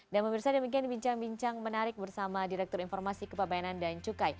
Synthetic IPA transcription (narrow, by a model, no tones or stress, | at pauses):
danpəmirsadəmik̬ianbiɲt͡ʃaŋbiɲt͡ʃaŋmənaɾɪk̚bərsamadiɾɛk̚t̪ʊɾinfɔrmasikəpəbajanandant͡ʃukaj